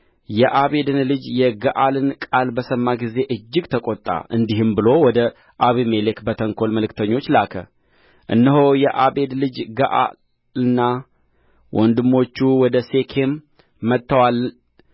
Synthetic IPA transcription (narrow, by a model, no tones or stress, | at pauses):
jɛʔaβe̞d̪ɨnlɨd͡ʒjɛɡəʔalɨnkʼalbəsəmːaɡize̞ʔɨd͡ʒːɪɡt̪ʰəkʼot̪ʼːa̰ʔɨnd̪iɦɨmbɨlo̞wɔd̪ə | ʔaβime̞lekbət̪ʰəŋkʰo̞lməlɨkt̪ʰəɲːo̞t͡ʃːlakʰə̰ | ʔɨ̰nːəɦojɛʔabe̞d̪lɨd͡ʒɡəʔa̰ | lɨnːa | wʔɔnd̪ɨmːo̞t͡ʃːuwɔd̪əse̞kʰe̞mː | ət̪ːəwalː